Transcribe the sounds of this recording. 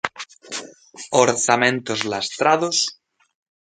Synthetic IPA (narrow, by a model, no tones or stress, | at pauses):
oɾθamẽnt̪ozlast̪ɾaðos